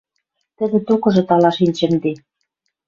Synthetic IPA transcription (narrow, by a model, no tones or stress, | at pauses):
t̪ə̆d̪ĕt̪ukɤ̆ʒɤ̆t̪ɑlɑʃinʲt͡ɕɘ̆md̪e